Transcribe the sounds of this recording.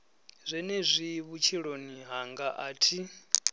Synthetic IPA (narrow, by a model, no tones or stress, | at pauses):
zʷɛnɛzʷiβut͡ʃʰiɺoniɦaŋɡaʔaːtʰi